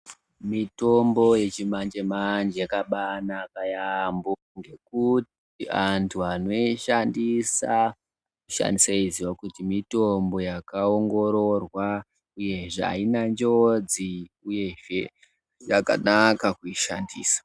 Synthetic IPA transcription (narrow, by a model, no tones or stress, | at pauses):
mito̞mbo̞je̞t͡ʃimand͡ʒemand͡ʒejakaɓanaːkajambo | ŋɡe̞kut | iantʰuano̞iʃandisa | ouʃa̰ndisaiziwakutimito̞mbo̞jakaoŋɡo̞ɾorwa | uje̞ʐea̰inand͡ʒod͡ziuje̞ʐe | jaka̰nakakuiʃa̰ndiːsḁ